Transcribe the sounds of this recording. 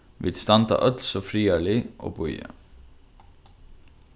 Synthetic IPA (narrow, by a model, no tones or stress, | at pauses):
ʋɪ̰d̪st̪ɑnd̪ɑ̰ʔœt̪lsɔfɾiːəɭiʔo̰ːbɔʏə̰